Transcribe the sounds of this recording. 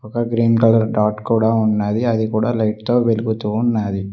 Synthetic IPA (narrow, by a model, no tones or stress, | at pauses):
ɔkɐɡɾiːnkaːlɐɾɖaːʈkuːɽaːunːaːd̪iɐd̪ikuːɽaːlɐjʈt̪o̞ːʋeluɡut̪uːnːaːd̪i